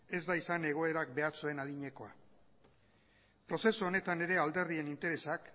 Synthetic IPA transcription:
e̞zd̪aisane̞ɣ̞o̞e̞ɾak̚be̞aɾt͡sue̞naðiɲe̞ko̞a | pɾo̞se̞suo̞ne̞t̪ane̞ɾe̞ald̪e̞ɾðie̞nint̪e̞ɾe̞sak

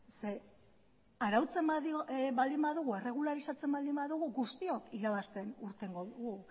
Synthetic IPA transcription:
se | aɾawt͡se̞mbaðibald̪imbaðuɣ̞ue̞re̞ɣ̞ulaɾisat͡se̞mbald̪imbaðuɣ̞uɡust̪io̞kiɾaβ̞ast̪e̞nuɾt̪e̞ŋɡo̞ðuɣu

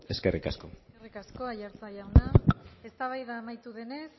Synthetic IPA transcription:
e̞ske̞rikasko̞rikasko̞ajaɾt͡saʝawnae̞st̪aβ̞ajðaːmajt̪uðe̞ne̞s

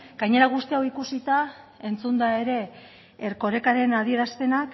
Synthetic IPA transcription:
ɡ̥ajɲe̞ɾaɣ̞ust̪iawikusit̪a | e̞nt͡sund̪ae̞ɾe̞ː | ɾko̞ɾe̞kaɾe̞nað̞ie̞ɾast̪e̞nak

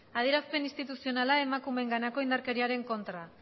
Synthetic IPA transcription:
að̞ieɾaspe̞nist̪it̪usio̞nalae̞makume̞ŋɡanako̞ind̪aɾke̞ɾiaɾe̞ŋko̞nt̪ɾa

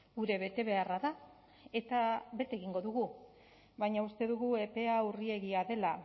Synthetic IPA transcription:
ɡuɾe̞βe̞t̪e̞βe̞araða | e̞t̪aβe̞t̪eɣiŋɡo̞ðuɣu | βajɲaust̪e̞ðuɣue̞pe̞aurie̞ɣiaðe̞la

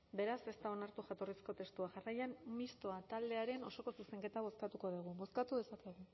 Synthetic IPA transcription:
be̞ɾase̞st̪ao̞naɾt̪uʝat̪o̞risko̞t̪e̞st̪uaʝarajammist̪oat̪ald̪e̞aɾe̞no̞so̞ko̞suse̞ŋke̞t̪aβ̞o̞skat̪uko̞ðiɣ̞ubo̞skat̪uðe̞sakeɣ̞u

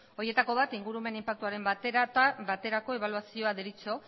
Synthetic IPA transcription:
o̞ɾje̞t̪ako̞βat̪iŋɡuɾume̞nimpak̚t̪uaɾe̞mbat̪e̞ɾat̪aβat̪e̞ɾako̞e̞β̞aluasio̞aðeɾit͡so̞

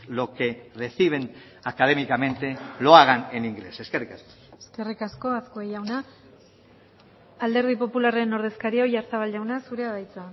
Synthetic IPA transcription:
lo̞ke̞reθiβ̞e̞n | akaðe̞mikamẽ̞nt̪e̞lo̞aɣaneniŋɡle̞seskerikasko̥eske̞rikasko̞askoejawna | ald̪e̞ɾð̞ipo̞pulare̞no̞ɾð̞e̞skaɾiojaɾt͡saβ̞alʝawnasuɾe̞aβajt͡sa

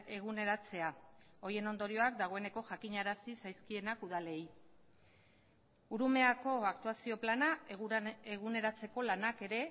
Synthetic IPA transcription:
e̞ɣune̞ɾat͡se̞ao̞je̞no̞nd̪o̞ɾio̞ak̚d̪aɣ̞o̞e̞ne̞ko̞ʝakiɲaɾasisajskie̞nakuðale̞j | uɾume̞ako̞akt̪uasio̞plana | eɣune̞ɾat͡se̞ko̞lanake̞ɾe̞

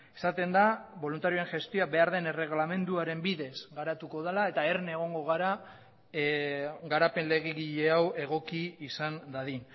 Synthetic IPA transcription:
e̥sat̪e̞nd̪aβo̞lunt̪aɾio̞eʝe̞st̪io̞abe̞aɾð̞e̞nere̞ɣ̞lame̞nd̪uaɾe̞mbiðe̞zɡaɾat̪uko̞ð̞alae̞t̪aerne̞ɣ̞o̞ŋɡo̞ɣ̞aɾa | ɡaɾape̞nle̞ɣiɣiʎe̞awe̞ɣ̞o̞kiːsand̪aðin

